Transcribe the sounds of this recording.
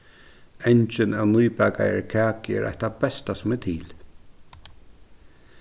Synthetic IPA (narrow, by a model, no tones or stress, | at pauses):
ɛɲt͡ʃənawnuːbaɡa̰ɛ̰ɹkʰaːkɛ̰ɾʔa̰jht̪abɛst̪asʊmɛt̪ʰiːl